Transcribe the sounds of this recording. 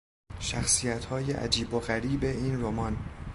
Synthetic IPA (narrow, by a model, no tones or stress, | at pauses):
ʃæxsijæt̪ʰhɒːjeʔæ̰d͡ʒiːboɣæɾiːbe̞iːnromɒːn